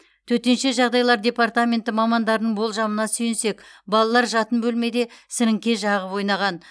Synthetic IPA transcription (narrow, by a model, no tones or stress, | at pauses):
t̪ʰɵɾt̪e̞nʃe̞ʒɑʁd̪ɑjlˠɑɾd̪ʲe̞pɑrt̪amʲe̞nt̪ɪmɑmɑnd̪ɑɾənəɴbo̞lˠʒɑmənɑsʏjɪnse̞kbɑlˠɑlˠɑɾʒɑt̪ənbɵlme̞d̪e̞sɪɾɪŋkʲe̞ʒɑʁəpwo̞jnɑʁɑn